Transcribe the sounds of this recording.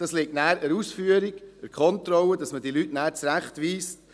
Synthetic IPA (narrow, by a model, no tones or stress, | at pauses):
d̥ɑslik̚tnæːɾəɾuːsfyəɾɪɡ̥əɾkʰχɔntɾɔwəd̥ɑsməd̥ilytnæːɾt͡sɾæχtʋiːst